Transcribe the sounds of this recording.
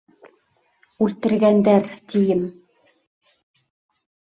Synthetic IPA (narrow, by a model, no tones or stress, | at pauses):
ʉlt̪ɘ̆ɾɡænd̪æɾt̪ijɘm